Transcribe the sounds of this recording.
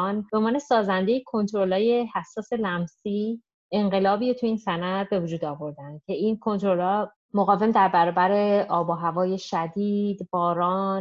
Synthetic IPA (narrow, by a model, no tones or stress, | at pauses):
nb̥omɒːnesɒːzænd̪e̞jekʰo̞nt̪ʰɾo̞lɒːje̞hæsːɒːse̞læmsi | e̞ɴɢe̞lɒːbiːɾot̪ʰuiːnsænæɾbe̞vud͡ʒuːd̪ɒːvo̞ɾd̪æn̥̚cʲʰe̞inkʰo̞nt̪ɾolɒː | moɣɒːve̞md̪æɾbæɾɒːbæɾe̞ʔɒːbɒɦævɒːje̞ʃæd̪iːd̪bɒːɾɒːn